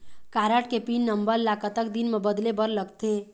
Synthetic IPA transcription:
kaɾəʈkepinːəmbəɾlakət̪ək̚d̪inmebəd̪lebəɾləɡt̪e

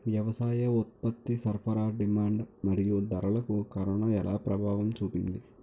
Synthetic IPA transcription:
ʋjɐʋɐsaːjɐot̪̚pɐt̪ːisɐrfɐɾaːɖimaːɳɖmɐɾijud̪ɐɾɐɭɐkːukɐɾɐɳɐelaːpɾɐbʱaːʋɐmt͡ɕuːpːind̪ɨ

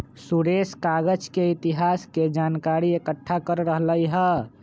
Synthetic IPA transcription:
suɽeskaɡəd͡ʒkeit̪iɦasked͡ʒankaɾiekəʈʰːakəɾɾəɦləjɦə

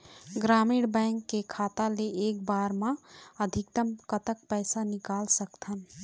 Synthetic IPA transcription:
ɡɾaːmiɽbɛ̃ɪŋkːekʰaːt̪aleeːkbaːɾmãəd̪ʱɪkt̪əmkət̪ək̚pɛɪsanɪkaːlsəkt̪ʰən

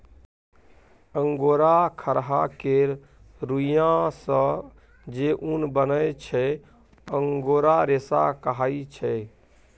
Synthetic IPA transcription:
əŋɡoɾakʰəɾɦakeɾ | ɾujãsə̃ | d͡ʒeʔunbənəjt͡ʃʰɛ | əŋɡoɾaɾesa̰kəɦait͡ʃʰɛ

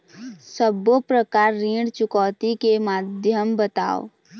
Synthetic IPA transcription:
səbopɾəkaːɾːĩːɽt͡ʃʊkɔːt̪ikemaːd̪ʱjəmbət̪a̰ːo̰ː

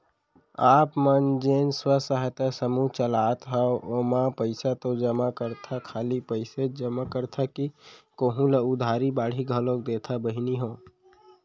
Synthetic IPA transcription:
aːpmənd͡ʒenswəsəɦt̪asəmuɦt͡ʃəlat̪ɦəoʔomapəɪsat̪od͡ʒəmakəɾt̪ʰakʰalipəɪsed͡ʒəmakəɾt̪ʰakikoɦũləʊd̪ʱaɾibaːɽ̤iɡʱəlokd̪et̪ʰabəɦiniɦoː

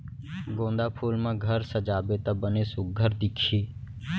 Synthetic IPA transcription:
ɡõːnd̪aːpʰuːlmãɡʱəɾsəd͡ʒaːbet̪abəneːsʊɡʱəɾd̪ɪkʰiː

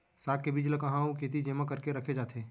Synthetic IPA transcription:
saːk̚kːebiːd͡ʒləkɐ̃ɦãũkeːt̪̬id͡ʒeːməkəɾkeɾɐkʰed͡ʒaːt̪ʰẽː

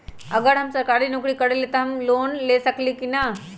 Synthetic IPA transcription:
ɐɡəɽɦɐmsɐɾkaːɾinʊkɾikɐɽelet̪ɐɦɐmloːnlesɐklikinɐ

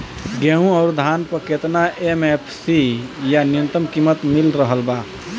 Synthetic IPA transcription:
ɡɛũɔːɾd̪ʱaːnpəket̪naʔemepʰsijanɪjə̃nt̪əmkimət̪mɪlɾəɦəlba

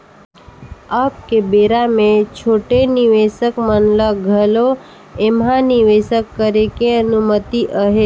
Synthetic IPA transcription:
aːp̚kebeɾamẽt͡ʃʰoːʈeniʋeʃəkmənləɡʱəlo | emɦãnɪʋesəkːəɾekeənumət̪iʔəɦe

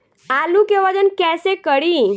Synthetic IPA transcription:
alukeʋad͡ʒənkɛsekəɽi

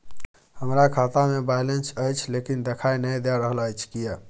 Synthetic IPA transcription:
həmɾakʰat̪amebajlensəjt͡ʃʰlekind̪ekʰajnəjd̪ɛɾəɦələjt͡ʃʰkije

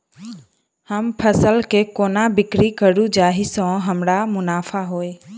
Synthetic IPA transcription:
həmpʰəsəlkeːkoːnabɪkɾikəɽud͡ʒaːɦisɔ̃ːɦəmɽamʊnaːfaɦoːeː

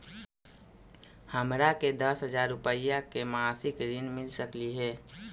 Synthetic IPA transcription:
həmɾaked̪əsɦəd͡ʒaːɾːʊpəjakemasɪkɾɪnmɪlsəkliɦɛː

